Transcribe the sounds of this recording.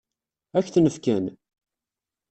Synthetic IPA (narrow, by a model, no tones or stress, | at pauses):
æçθnəfkæn